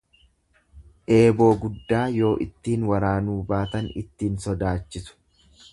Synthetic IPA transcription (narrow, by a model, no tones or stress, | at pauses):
ʔe̞ːbo̞ːɡʊd̪ːaːjo̞ːʔɪt̪ːiːnwɐɾaːnuːbaːt̪ɐnɪ̰t̪ːiːnsɔd̪aːt͡ʃːɪsʊ̥